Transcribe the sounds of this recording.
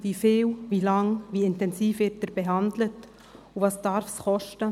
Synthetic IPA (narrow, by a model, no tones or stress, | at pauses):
vifɪːwvilɑŋviɪntɛnsiːfvɪt̚dɛɾbeɦɑndlət | uvɑːsd̥ɑɾfsχɔʃtə